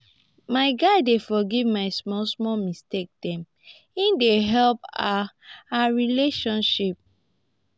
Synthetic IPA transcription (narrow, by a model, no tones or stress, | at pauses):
maɪɡaɪdefɔɡivmaɪsmɔlsmɔmistek̚tãm | ĩndeɦɛlpaaɹileʃɔ̃nʃip̚